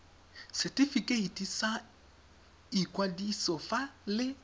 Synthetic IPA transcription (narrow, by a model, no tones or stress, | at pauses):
sɛtifikʼeitʼisa | ikʼwadisɔfalɪ